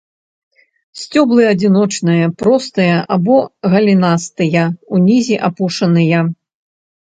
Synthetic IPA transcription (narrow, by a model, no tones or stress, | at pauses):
sʲt͡sʲɔblˠɨɐd͡zʲinɔt͡ʂnɨjɐpɾɔst̪ɨjɐʔabɔɣɐlʲinast̪ɨjɐunʲizʲiʔapuʂɐnɨjɐ